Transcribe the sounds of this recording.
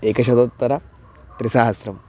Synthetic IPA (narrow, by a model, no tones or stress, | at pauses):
eːkɐʃɐd̪ot̪ːɐɾɐ | t̪ɾisaːɦɐsɾɐm